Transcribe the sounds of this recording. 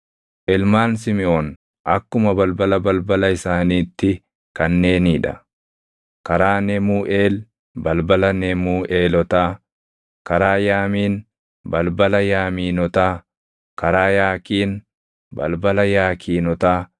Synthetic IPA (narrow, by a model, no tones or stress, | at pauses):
ʔɪlmaːns̬ɪmɪʔoːn | ʔɐkːʊmɐbɐlbɐlɐbɐlbɐlɐɪsaːniːt̪ːɪ | kɐnːe̞ːniːᶑɐ̰ | kɐɾaːnɛmuːʔeːl | bɐlbɐlɐnɛmuːʔeːlɔt̪aː | kɐɾaːjaːmiːn | bɐlbɐlɐjaːmiːnɔt̪aː | kɐɾaːjaːkiːn | bɐ̰lbɐlɐjaːkʰiːnɔt̪aː